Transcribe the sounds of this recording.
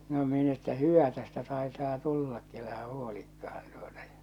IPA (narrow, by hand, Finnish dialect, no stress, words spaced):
no min etːæ hyʋæ tæstæ tɑe̝tɑː tulːɑkːi elæhæ huolikːɑhɑn tu̥o̥tɑ̥ j̊ɑ̥